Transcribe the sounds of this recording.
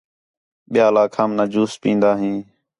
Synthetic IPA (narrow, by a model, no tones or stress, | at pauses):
ɓɪjaːlaːkʰaːmnaːd͡ʒuːspĩːnd̪aːɦĩː